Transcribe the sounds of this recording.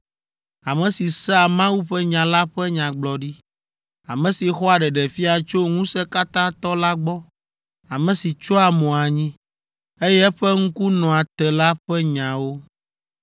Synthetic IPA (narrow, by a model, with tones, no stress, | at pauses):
a˨mɛ̃˨si˨sɛ˦a˨mã˦wu˦ɸɛ˦ɲã˨la˦ɸɛ˦ɲã˨ɡ͡blɔ˨ɖi˦ | a̰˨mɛ̃˨si˨xɔ˦a˨ɖɛ˨ɖɛ˨fi˦a˨t͡ʃo˦ŋũ˦sɛ˦ka˦t̪ã˦t̪ɔ˦la˦ɡ͡bɔ˦ | a˨mɛ̃˨si˨t͡ʃo˦a˨mɔ̃˨a˨ɲĩ˦ | e˦jɛ˦ɛ˦ɸɛ˦ŋ̩˦ku˦nɔ̃˨a˨t̪ɛ˨la˦ɸɛ˦ɲã˨wo˦